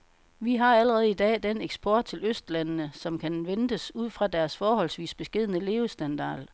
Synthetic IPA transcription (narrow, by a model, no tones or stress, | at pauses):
ʋiɦɑ̈æləʁɛð̞̩ˠid̥ɛ̰ːd̥eneɡ̥sb̥ɒːd̥̚t͡sʰe̝løsd̥lænənəsɒ̽mkʰænʋend̥əsuð̰ˠfʁɑ̈d̥æɐsfɒːɦɒ̽lsʋḭːsb̥e̝sɡ̥e̝ð̰ˠnəle̝ːʊsd̥ænd̥ɑ̰̈ːl